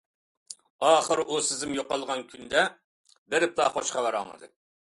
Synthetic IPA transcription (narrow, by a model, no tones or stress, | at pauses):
ɑːχəɾʔusɪzɪmjoqɑlˠʁɑnkʲʰynd̪ɛ | beɾɪp̚t̪ɑχoʃqɑwɑɾɑ̰mɨ̰d̪ɨ̰